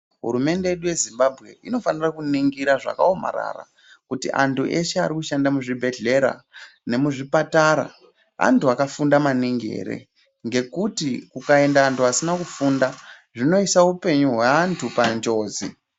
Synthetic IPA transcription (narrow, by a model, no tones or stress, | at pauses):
ɦṵɾume̞nde̞je̞ɗuje̞zimbabʱɣe̞̰ʔino̞fanirakuniŋɡiɾaʐa̰kao̞ma̰ɾa̰ra̰ | kutḭʔa̰ntuʔe̞ʃeaɾikuʃandamuʐibʱe̞ɮe̞ɾa̰ | ne̞muʐipataɾa̰ | a̰ntuakafundamaniŋɡe̞̰ːɾe̞̰ | ŋɡe̞kutikukae̞ndaːntuasinakufunda | ʐino̞isaupe̞ɲuɦwaantʰupand͡ʒo̞ːzi